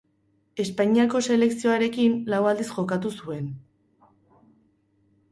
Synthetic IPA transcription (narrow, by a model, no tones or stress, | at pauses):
e̞spaɲiako̞se̞le̞ksio̞aɾe̞kinlawald̪isʝo̞kat̪usue̞n